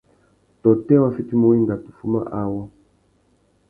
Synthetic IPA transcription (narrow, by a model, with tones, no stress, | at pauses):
tɔ˨tɛ˦wa˦˨fi˦ti˦mo˨wi˦ŋɡa˨tu˨fu˦ma̰˦ʔa˦wɔ˦